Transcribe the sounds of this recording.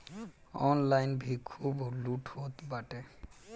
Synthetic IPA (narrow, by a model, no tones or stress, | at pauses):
ɔnlajnbʱikʰuboluʈhot̪baʈe